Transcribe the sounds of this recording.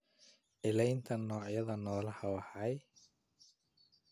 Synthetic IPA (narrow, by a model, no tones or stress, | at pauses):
ʔɪlɛjnt̪ʰɐnːɔːʕjɐðɐnɔːlɐhɐwɐħɑj